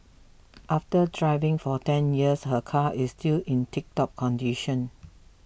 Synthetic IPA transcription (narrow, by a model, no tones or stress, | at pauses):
ʔaftədɹaɪvɪ̃ŋfɔtɛ̃njiəshəkʰaʔɪstilĩntik̚tɔp̚kʰɔ̃ndiʃə̃n